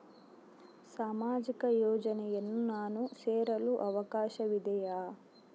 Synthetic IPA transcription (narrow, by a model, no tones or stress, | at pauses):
saːmaːd͡ʒikɐjɔːd͡ʒɐnɐjɐnːunaːnuseːɾɐluʔɐʋɐkaːʃɐʋid̪ɐjaː